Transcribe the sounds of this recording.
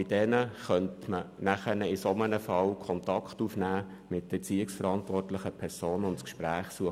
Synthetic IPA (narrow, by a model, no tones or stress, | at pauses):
ɪd̥ɛnəχœntmənæχənəɪsɔmənəfɑlkʰɔntɑkχtufnæː | mɪtdəɛt͡siːɪksfəɾɑntʋɔrtlɪχəpʰɛɾsoːnʊntskʃpɾæːχsuə